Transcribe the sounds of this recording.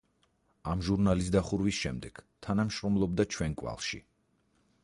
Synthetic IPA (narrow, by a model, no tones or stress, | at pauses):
amʒuɾnalisd̪aχuɾwisʃɛmd̪ɛɡ̥t̪ʰanamʃɾɔmlˠɔb̚d̪at͡ʃʰwɛnkʼwa̰lˠʃḭ